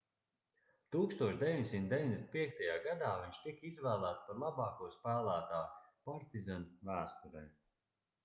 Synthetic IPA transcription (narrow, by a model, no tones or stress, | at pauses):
t̪uːkst̪uɔʃd̪ʲevʲiɲd̪ʲesʲimnt̪̚d̪e̞vinɲʲd̪ʲesʲnpiɛk̚t̪ajaːɡad̪aːviɲʃt̪ikizvæːlˠæːt̪spaɾlˠabɑːkuɔspæːlˠæːt̪aːpaɾt̪izanvæːst̪uɾɛ̰j